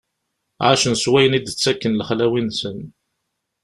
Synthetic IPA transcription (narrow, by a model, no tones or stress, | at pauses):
ʕaʃənswæjənid̪ət͡sːækːənləχlæwinsən